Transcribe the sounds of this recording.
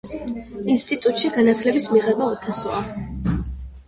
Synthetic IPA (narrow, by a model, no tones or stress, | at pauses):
inst̪ʼit̪ʼut̪ʼʃiɡanat̪ʰlɛbismiʁɛbaɔp̪ʰasɔa